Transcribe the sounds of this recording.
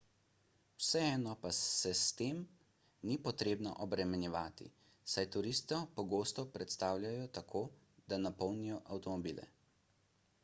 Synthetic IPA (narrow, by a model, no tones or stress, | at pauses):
wsɛɛːnɔpaɛst̪eːm | nipɔt̪ɾeːbnɔ̰ʔɔbɾɛmɛnjɛʋaːt̪ḭ | sajt̪uɾist̪ɔpɔɡoːst̪ɔpɾɛt̪st̪aːwljajɔt̪akʰoː | d̪̥anapɔwnijɔʔawt̪ɔmɔbiːlɛ̰